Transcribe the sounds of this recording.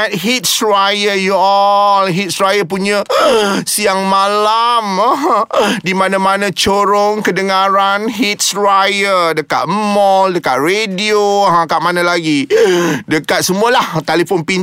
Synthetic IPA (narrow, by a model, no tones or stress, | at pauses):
t̪̚ɦit̪̚sɾajəjuɔlɦit̪̚sɾajəp̬uɲãsiaŋmalam | dimãnãmãnãt͡ʃoɾoŋkədəŋaɾanɦit̪̚sɾajədəkat̪̚mɔldəkaʔ̪̚redioɦãkaʔmanãlaɡidəkat̪̚səmuəlaht̪alifɔnpin